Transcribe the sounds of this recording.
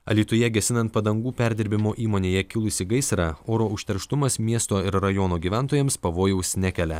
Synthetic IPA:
ɐ̰lʲiːt̪ʊjɛɡʲɛsʲɪnɐnt̪̚pɐd̪ɐŋɡuːpʲæɾʲd̪ʲɪɾʲbʲɪmoːʔiːmoːnʲeːjɛkʲɪlˠʊsʲɪɡɐɪsɾɑːoːɾoːʊʃʲt̪ʲɛɾʃt̪ʊmɐsmʲiɛst̪oːɪɾɾɐjoːnoːɡʲiːʋʲæˑnˑt̪oːjɛmspɐʋoːjɛʊsʲnʲækʲɛlʲɛ

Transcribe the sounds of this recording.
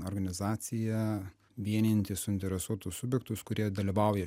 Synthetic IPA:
oɾɡɐnʲɪzɑːt̪sʲɪjɛ | ʋʲiɛnʲɪnʲt̪ʲɪsʊɪnʲt̪ʲɛɾʲɛsuɔt̪ʊssʊbʲjɛk̚t̪ʊskʊɾʲiɛd̪ɐlʲiʋɐˑʊjɛ

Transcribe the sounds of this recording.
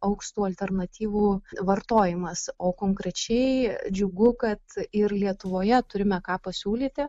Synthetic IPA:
ɐʊkʃt̪uːɐlʲt̪ʲɛrnɐt̪ʲiːʋuːʋɐrt̪oːjɪmɐsoːkoːŋkɾʲɛt͡ʃʲɛɪd͡ʒʲʊɡʊkɐt̪ɪrlʲiɛt̪ʊʋoːjɛt̪ʊɾʲɪmʲɛkɑːpɐsʲuːlʲiːt̪ʲɪ

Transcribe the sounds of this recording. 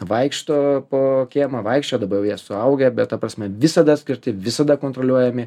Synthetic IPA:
ʋɐɪkʃt̪oːpoːkʲeːmɐʋɐɪkʃʲt͡ʃʲoːd̪ɐbɐɾjɛʊjiɛsʊɐʊɡʲɛbʲɛt̪̚t̪ɐpɾɐsʲmʲɛʋʲɪsɐd̪ɐsʲkʲɪɾʲt̪ʲɪʋʲɪsɐd̪ɐkoːnt̪ɾolʲuɔjɛmʲɪ

